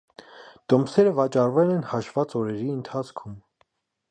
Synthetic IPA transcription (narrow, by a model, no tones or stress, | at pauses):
t̪ɔmsɛɾəvɑt͡ʃɑrvɛlɛnhɑʃv̥ɑt͡sɔɾɛɾiənt̪ʰɑt͡sʰkʰum